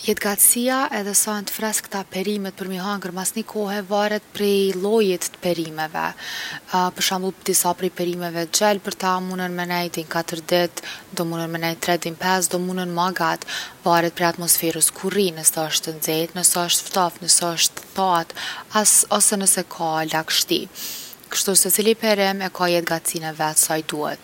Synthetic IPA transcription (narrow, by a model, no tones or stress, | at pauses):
jɛt̪ɡat̪siaʔɛðɛsant̪ə̥fɾɛskt̪apɛɾimɛt̪̚pəɾməɦaŋɡəɾmasnikʰɔɦɛvaɾɛt̪̚pɾɛlˠɔjit̪ːə̥pɛɾimɛvɛ̰ | pəɾʃambəlˠd̪isapɾipɛɾimɛvɛd͡ʑɛlpəɾt̪amunənmɛnɛjd̪inkat̪əɾd̪ɪt̪d̪ɔmunənmənɛjt̪ɾɛd̪inpɛs̬d̪ɔmunənmaɡat̪vaɾɛt̪̚pɾɛat̪mɔsfɛɾəskʰurinəsɛəʃt̪ənd͡zɛt̪nəsɛəʃt̪ft̪afnəsɛəʃt̪t̪at̪asɔsɛnəsɛkʰalakʃt̪ḭkə̥ʃt̪usɛt͡silipɛɾɪmɛkajɛt̪̚ɡat͡sinɛvɛasajd̪uhɛ̰t̪̚